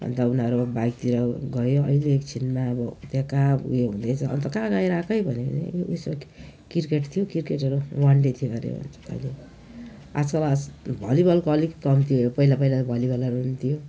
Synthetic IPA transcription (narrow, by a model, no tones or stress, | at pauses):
bʱʌ̰nd̪aunaɾubajk̚t̪iɾʌɡʌjoʌileːkt͡sʰinmaʌbʌt̪jãka̰jeɦũd̪ʌjt͡sʰʌʌ̰nt̪ʌkãɡajɾakʰʌjbʱʌnenḛjusma | kirkeʈt̪ʰijokirkeʈʌɾuwaɳɖet̪ʰijoɡʌɾḛbʱʌ̰nt͡sʰʌ̰ile | a̰d͡zkʌlabʱʌlibʌlkoʌlikʌmt̪ʰijopʌilapʌilatbʱʌlibʌlʌɾuɦunt̪ʰijo